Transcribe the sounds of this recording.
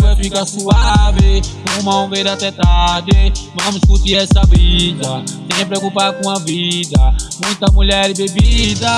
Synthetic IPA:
ɛfikasuabekũmaũɡed̪at̪ɛt̪ad̪emamuskut̪iɛsabid̪asẽmpɾekupakũabid̪amũj̃t̪amulɛɾibebid̪a

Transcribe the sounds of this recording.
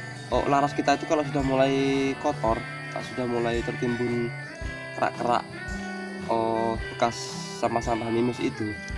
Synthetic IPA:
ʔɔ̰ʔlaɾaskit̪ait̪ukaloʔsudahmulaikɔt̪ɔr | t̪a̰ʔsudahmulait̪ərt̪imbʊn | kəɾa̰ʔkəɾa̰ʔ | ɔbəkasː | amahsamaɦnimʊsḭt̪u

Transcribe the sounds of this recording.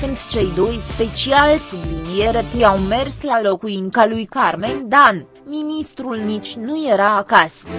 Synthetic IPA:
kɨnd̪t͡ʃe̞jd̪o̞jspe̞t͡ʃialsublinie̞ɾet̪ɾijawme̞rslalo̞kuiŋkalujkarmend̪an | minist̪ɾulnit͡ʃʲnuje̞ɾaːkas

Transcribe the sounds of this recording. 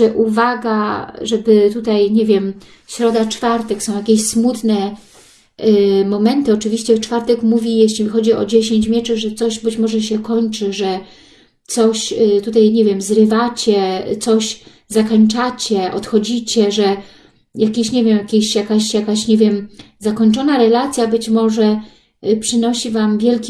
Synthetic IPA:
ʐɛʔuvaɡaʐɛbɘt̪ut̪ajɲɛvʲjɛm | ɕɾɔd̪at͡ʂfaɾt̪ɛksɔ̃w̃jakʲeɕsmut̪nɛ | mɔmɛnt̪ɘɔt͡ʂɘvʲiɕt͡ɕɛt͡ʂfaɾt̪ɛkmuvʲijeɕlʲixɔd͡ʑiɔ̰d͡ʑeɕeɲt͡ɕmʲjɛt͡ʂɘʐɛt̪sɔʑbɘt͡ɕmɔʐɛɕɛkɔɲt͡ʂɘʐɛ | t̪sɔɕt̪ut̪̬ajɲevʲjɛmzɾɘvat͡ɕɛt̪sɔɕ | zakɔɲt͡ʂat͡ɕɛʔɔ̰t̪xɔd͡ʑit͡ɕɛʐɛ | jakʲeɕɲevʲjɛmjakʲeɕjakaɕjakaɕɲeɛvʲjɛm | zakɔɲt͡ʂɔnaɾɛlat̪sʲjabɘt͡ɕmɔʐɛ | pʂɘnɔɕivamvʲjɛlkʲi

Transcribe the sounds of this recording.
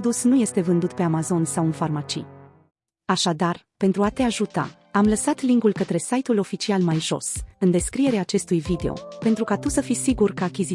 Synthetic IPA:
d̪usnuje̞st̪e̞vɨnd̪ut̪̚pe̞amazo̞nsawɨnfarmat͡ʃḭ | aʃad̪ar | pe̞nt̪ɾuat̪e̞aʒut̪a̰ | amləsat̪liŋɡulkət̪ɾe̞sajt̪ulo̞fit͡ʃialmajʒo̞̰sɨnd̪e̞skɾije̞ɾeaːt͡ʃe̞st̪ujvid̪e̞o̞̰pe̞nt̪ɾukat̪usəfisiɡurkəakʲizi

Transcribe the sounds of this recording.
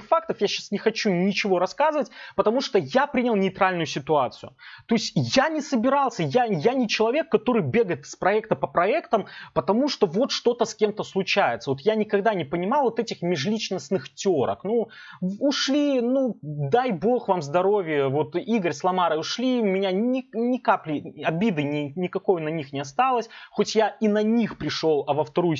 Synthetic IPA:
fak̚t̪əfjaɕːasnʲɪxɐt͡ɕunʲɪt͡ɕɪvo̞ɾɐskazɨvətʲpət̪ɐmuʂt̪ojapɾʲinʲɪlˠnʲɪɪt̪ɾalʲnʊjʊsʲɪt̪ʊat̪sɨjʊt̪o̞ɪsʲtʲjanʲɪsəbʲɪɾalˠsʲəjajanʲɪt͡ɕɪlˠɐvʲekːɐt̪o̞ɾɨjbʲe̞ɡəjɪt̪ɨ̥spɾɐɛkt̪əpəpɾɐɛkt̪əmpət̪ɐmuʂt̪o̞vo̞t̪ʂt̪o̞t̪əskʲe̞mt̪əslˠʊt͡ɕæjɪt̪səvo̞t̪janʲɪkɐɡd̪anʲɪpənʲɪmɑlˠvot̪ɛtʲɪxmʲɪʐlʲit͡ɕnəsnɨxtʲoɾə̰knu | ʊʂlʲinud̪ajbo̞xvamzd̪ɐɾo̞vʲɪjəvo̞t̪iɡəɾʲslˠɐmaɾəʊʂlʲimʲɪnʲanʲɪnʲɪkaplʲɪɐbʲid̪ɨnʲɪnʲɪkɐko̞jnɐnʲixnʲɪɐst̪alˠəsʲxotʲjainɐnʲixpɾʲɪʂo̞lˠɐvəft̪ɐɾuj

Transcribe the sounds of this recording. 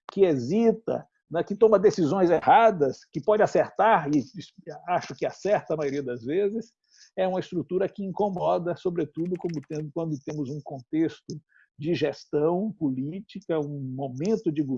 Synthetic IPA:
kɪezit̪ɐ̰ | nɛkɪt̪õmɐd̪esizõj̃zehad̪ɐskɪpɔd͡ʒɪaseɾt̪aɾɪsaʃʊkɪasɛɾt̪ɐmajoɾiɐd̪ɐzvezɪs | ɛũmɐɪst̪ɾut̪uɾɐkɪĩŋkomɔd̪ɐsobɾet̪ud̪ʊkõmʊt̪ẽkwɐ̃nd̪ʊt̪ẽmʊzũkõnt̪est̪ʊ | d͡ʒɪʒest̪ɐ̃w̃pulit͡ʃikɐũmomẽnt̪ʊd͡ʒɪɡu

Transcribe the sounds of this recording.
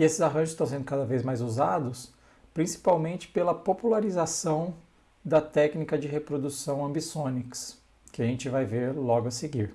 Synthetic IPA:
ɪesɪzaɦɐ̃ʒʊst̪ɐ̃w̃sẽnd̪ʊkad̪ɐvejzmajzuzad̪ʊs | pɾĩsi̥pawmẽnt͡ʃɪ̥pelɐpopulaɾizasɐ̃w̃ | d̪ɐt̪ɛknikɐd͡ʒɪɦepɾod̪usɐ̃w̃ɐ̃mbisõniks | kɪaʒẽnt͡ʃɪvajveɾlɔɡʊɐseɡiɾ

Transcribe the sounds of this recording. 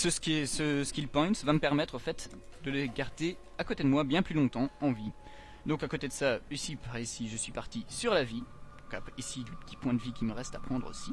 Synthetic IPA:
səskesəskʲilpɔ̃j̃t̪vaməpɛʁmɛt̪χofɛt̪d̪ələɡaʁd̪e | akot̪ed̪əmwabjɛ̃plylɔ̃t̪ɑ̃ɑ̃vi | d̪ɔ̃kakot̪ed̪əsaisipaʁisiʒəsɥipaʁt̪isyʁlavĩ | kapisiləpə̥t̪i̥pwɛ̃d̪əvikʲiməʁɛst̪apχɑ̃d̪ʁo̰si

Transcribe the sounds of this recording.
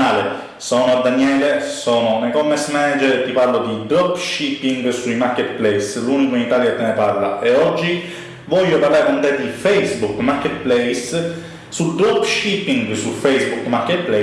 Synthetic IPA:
aːle | sɔːnoad̪ːanjɛːlesɔːnonekɔmesmɛnad͡ʒeɾt̪iparlod̪id̪ɾɔpːʃipːiŋɡsuimaɾkːet̪̚plɛjslunikoinit̪alket̪ːenepaɾla̰ʔeɔd͡ʒːi | vɔʎːopaɾlaːɾekont̪ɛd̪ifɛjzbukmaɾkːet̪̚plɛjs | sud̪ɾɔpːʃipiŋɡsufɛjzbukmaɾkːet̪̚plɛ

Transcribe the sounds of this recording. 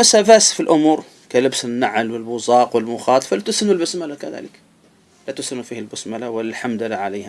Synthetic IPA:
masaːbaːsfilʔʊmuːɾ | kalɪbsɪnːaʕlwɪlbʊzˤɑːqwɪlmʊxɑːt̪ˤfalat̪ʊsɪnʊlbʊsmalakaða̰ːlɪk | lat̪ʊsɪnufiːhalbʊsmalawɪlːalħamd̪alaʕaleːha

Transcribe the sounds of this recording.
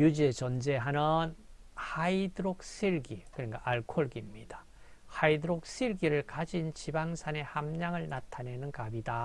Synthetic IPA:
jud͡ʑiet͡ɕʌnd͡ʑe̞ɦanɯn | haidɯɾok̚sʰiɭɡikɯɲiŋɡaʔaɭkʰoɭɡimɲida | haidɯɾok̚s͈ʰiɭɡiɾɯɭkad͡ʑint͡ɕibaŋsʰane̞hamɲaŋɯɭnatʰane̞nɯnkabida

